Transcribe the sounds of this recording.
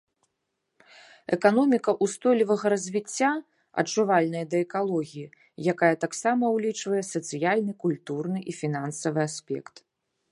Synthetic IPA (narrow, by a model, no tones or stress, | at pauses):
ɛkanɔmʲikɐʔust̪ɔjlʲivɐɣɐɾɐzʲvʲit͡sʲːa | ɐ̰t͡ʂuvalʲnɐjɐd̪ɐɛkalˠɔɣʲiji | jakajɐt̪aksamɐwlʲit͡ʂvɐjɛsɐt̪sɨjalʲnɨkulʲt̪urnɨʔifʲinansɐvɨasʲpʲɛ̰kt̪